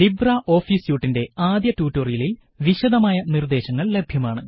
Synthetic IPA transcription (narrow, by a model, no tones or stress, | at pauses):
d̪ibraːʔo̞ːfiːsjuːʈːinde̞aːd̪jɐtuːtːoːrijilil | ʋiɕɐd̪ɐmaːjɐnird̪e̞ːɕɐŋːɐɭle̞bʱjɐmaːɳɨ